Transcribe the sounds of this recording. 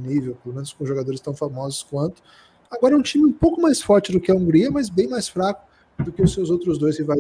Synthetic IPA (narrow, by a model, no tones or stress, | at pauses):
nivewpeɾlomẽnʊskõʒoɡad̪oɾɪst̪ɐ̃w̃famɔzʊ̥skwɐ̃nt̪ʊ̥ | aɡɔɾɐɛũt͡ʃimɪũpowkʊmajsfɔɾt͡ʃɪd̪ʊkɪɐũŋɡɾiɐmɐzbẽj̃majsfɾakʊ̥ | d̪ʊkɪʊsewzowt̪ɾʊzd̪ojsɪva